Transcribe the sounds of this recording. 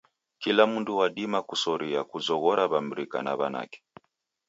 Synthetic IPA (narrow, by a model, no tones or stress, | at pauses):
kilamunduwaɗimakusɔɾiakuzɔɣɔɾaβam̩ɾika̰na̰βana̰kɛ̥